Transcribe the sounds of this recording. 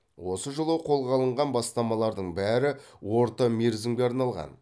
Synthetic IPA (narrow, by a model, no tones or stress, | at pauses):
wo̞səʒəlˠəqʰo̞lˠʁɑlˠəɴʁɑnbɑst̪ɑmɑlˠɑɾd̪əɴbæɾɪ | woɾt̪əmʲeɾzɪmɡʲeɑɾnɑlˠʁɑ̰n